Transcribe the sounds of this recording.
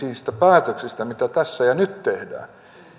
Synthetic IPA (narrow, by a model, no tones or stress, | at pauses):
iːst̪æpæːt̪oksist̪ɑmit̪æt̪æsːæjɑnyt̪t̪ehdæ̰ː